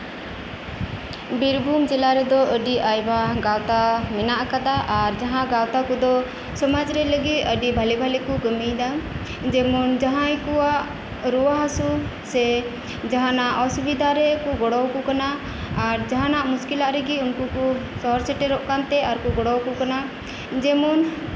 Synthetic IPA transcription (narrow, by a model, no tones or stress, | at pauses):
biɾbʱumd͡ʒɛlaɾɛd̪ɔəɖiʔajbaɡawt̪amɛnaʔkad̪aʔaɾd͡ʒaɦãɡawt̪akud̪ɔ | sɔmad͡ʒɾɛləɡit̪əɖibʱalɛbʱalɛkuɡəmijd̪a | d͡ʒɛmɔnd͡ʒaɦãjkuwaʔ | ɾuwaɦasusɛ | d͡ʒaɦanaʔɔsubid̪ʱaɾɛkuɡɔɽɔwkukanaː | ɾd͡ʒaɦanaʔmuskilaʔɾɛɡiunkukusɔɾsɛʈɛɾɔʔkant̪ɛaɾkuɡɔɽɔwkukana | d͡ʒɛmun